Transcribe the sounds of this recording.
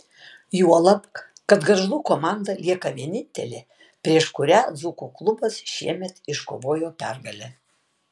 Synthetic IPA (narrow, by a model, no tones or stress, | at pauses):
juɔlˠɐpkkɐt̪ɡɐɾʒlˠuːkoːmɑnd̪ɐlʲiɛkɐʋʲiɛnʲɪnʲt̪ʲɛlʲeː | pʲɾʲiɛʃkʊɾʲæːzukuklˠʊbɐsʃʲiɛmʲɛt̪ɪʃko̰ːʋoːjoːpʲæ̰ˑɾɡɐlʲɛ